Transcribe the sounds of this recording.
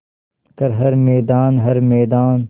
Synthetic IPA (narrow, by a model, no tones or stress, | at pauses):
k̪ɐɾɦɐɾmɛːd̪aːnɦɐɾmɛːd̪aːn